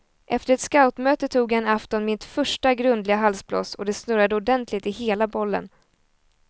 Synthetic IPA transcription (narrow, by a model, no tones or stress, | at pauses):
ʔɛft̪əɾɛt̪skaʊt̪møːt̪ət̪ʰuːɡjanaft̪ɔnmɪt̪fœʂʈaɡɾɵnd̪lɪɡaɦalsblɔ̰sɔd̪ɛsnɵɾad̪əʊd̪ɛnt̪lɪɡt̪ɪheːlabɔlːə̰n